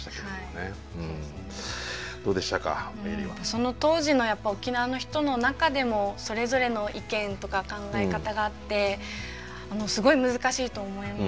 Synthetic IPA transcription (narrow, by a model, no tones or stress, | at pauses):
t̪akehaione | ɯ̃ | d̪̥o̞ːd̪eɕi̥t̪aka̰ḛɾʲḭβa̰so̞no̞t̪o̞ːʑino̞japːao̞kʲinaβano̞çi̥t̪o̞no̞nakad̪e̞mo̞so̞ɾe̞zo̞ɾe̞no̞ʔikẽ̞nt̪o̞kakãŋɡae̞kat̪aɡaːt̪ːe̞ | ano̞sɨɡo̞imɯ̟zɨkaɕiːt̪o̞ːmo̞ima